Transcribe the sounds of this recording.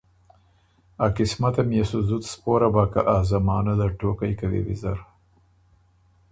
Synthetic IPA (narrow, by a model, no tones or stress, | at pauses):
akɪsmat̪amjasuzʊt̪spoɾabakaʔazamɑːnad̪aʈokajkawḭwḭzaɾ